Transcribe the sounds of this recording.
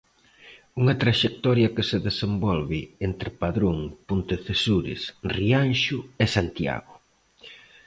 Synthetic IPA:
uŋɐt̪ɾaʃek̚t̪ɔɾjɐkɪseðesembɔlβɪent̪ɾɪpaðɾoŋpunt̪eθesuɾɪ̰srianʃʊɛsant̪ja̰ɣʊ

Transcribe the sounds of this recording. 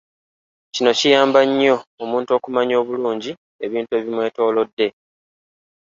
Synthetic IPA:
cino̞cijaːmbaɲːo̞ːmuːnto̞ːkumaɲo̞ːβuluːɲɟi | e̞βiːntue̞ːβimwe̞ːto̞ːlo̞dːe̞

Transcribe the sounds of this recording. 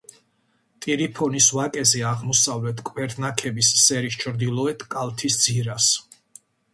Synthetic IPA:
t̪ʼiɾipʰɔnisvakʼɛzɛaʁmɔsavlɛt̪ʰkʼvɛɾt̪ʰnakʰɛbissɛɾist͡ʃʰɾd̪ilˠɔɛt̪ʰkʼalˠt̪ʰisd̪z̥iɾas

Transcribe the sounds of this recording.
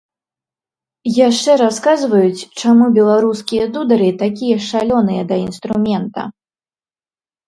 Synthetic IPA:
jaʂt͡ʂɛɾaskazvɐjut͡sʲt͡ʂamubʲɛlˠaɾuskʲijɐd̪ud̪ɐɾɨt̪akʲijɐʂalʲɔnɨjɐd̪ɐinst̪ɾumʲɛnt̪ɐ̰

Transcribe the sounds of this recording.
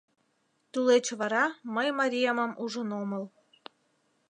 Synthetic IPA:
t̪ulet͡ɕβɑɾɑməjmɑɾʲijɑmɑmʔuʒə̆nomə̆l

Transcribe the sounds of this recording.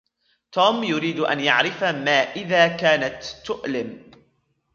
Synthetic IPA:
t̪uːmjʊɾiːd̪ʔa̰njaʕɾɪfamaːʔɪðaːkaːnat̪ːʊʔlɪm

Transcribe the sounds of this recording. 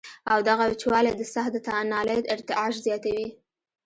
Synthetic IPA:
awd̪aɣawt͡ʃwɑlad̪əsaxd̪ət̪anɑləd̪ɪɾt̪ɪʔɑʒzjɑt̪awi

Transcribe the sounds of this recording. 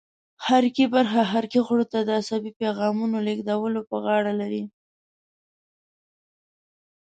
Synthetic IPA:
haɾkibaɾxaɦaɾkiɣɽot̪ad̪əasabipeɣɑmunoleɡd̪awəlopəɣɑɽalaɾi

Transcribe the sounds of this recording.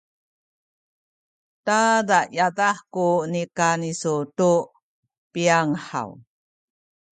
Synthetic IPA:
tadajadaħkunikanisutu | piaŋħa̰w

